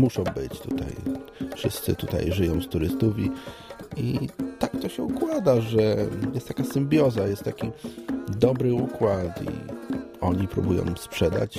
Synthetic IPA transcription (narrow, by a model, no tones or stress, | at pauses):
muʂɔ̃w̃bɘ̰t͡ɕt̪ut̪a̰jfʂɘst̪sɘt̪ut̪a̰jʐɘjɔ̃w̃st̪uɾɘst̪uvʲi | it̪ak̚t̪ɔɕɛukwad̪aʐɛjɛst̪t̪akasɘmbʲjɔzajɛst̪t̪ːakʲid̪ɔbɾɘukwat̪ḭɔɲipɾṵbujɔ̰̃w̃spʂɛd̪a̰t͡ɕ